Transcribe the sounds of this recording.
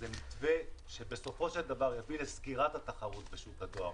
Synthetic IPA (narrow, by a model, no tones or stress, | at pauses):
zemitveʃe̞be̞so̞fo̞ʃeld̪avaʁjavileskiʁat̪hat̪aχaʁut̪be̞ʃukad̪oa̰ʁ